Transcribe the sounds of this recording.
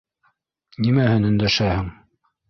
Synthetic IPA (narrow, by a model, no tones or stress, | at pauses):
nimæhɘnɵ̆nd̪æʃæhɘŋ